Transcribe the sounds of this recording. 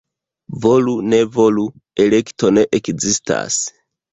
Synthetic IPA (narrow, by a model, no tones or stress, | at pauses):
vo̞lune̞vo̞lu | ele̞kto̞ne̞ʔekzistʰa̰s